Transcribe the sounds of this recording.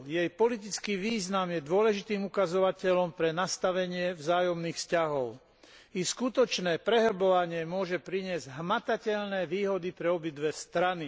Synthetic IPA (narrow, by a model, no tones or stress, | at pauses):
jɛjpɔlit̪̬it͡skiːʋiːznamjɛd̪ʊɔlɛʒit̪iːmukazɔʋacɛlɔmpɾɛnast̪aʋɛɲɪɛvzaːjɔmniːxfscaɦɔʊ | iskut̪ɔt͡ʃnɛːpɾɛɦr̩bɔʋaɲɪɛmʊɔʒɛpɾiɲɪɛzɟɦmat̪acɛʎnɛːʋiːɦɔd̪ipɾɛɔbid̪ʋɛst̪ɾani